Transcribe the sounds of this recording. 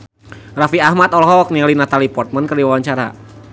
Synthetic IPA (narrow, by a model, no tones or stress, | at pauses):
rafiahmat̪ɔlɦɔk̚nialinat̪alipɔrt̪̚mankərdiwawaɲt͡ʃaɾa̰